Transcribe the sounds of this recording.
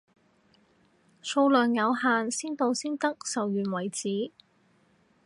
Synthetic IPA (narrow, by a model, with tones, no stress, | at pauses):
so˧wlœː˨˩ŋjɐ˨˧wɦaː˨nsiː˥nt̪o˧wsiː˥nt̪ɐ˥k̚sɐ˨wjyː˨nwɐ˨˩jt͡siː˨˥